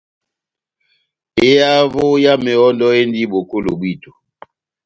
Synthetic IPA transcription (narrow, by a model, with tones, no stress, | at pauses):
e˦ja˦vo˦ja˦me˨ɔ˦ndɔ˦e˦ndi˦bo˨ko˦lo˨bwi˦˨to˨